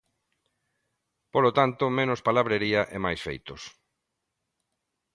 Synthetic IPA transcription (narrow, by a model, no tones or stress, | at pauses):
polot̪ant̪ʊmenʊspalaβɾeɾiɐʔemajsfḛjt̪ʊs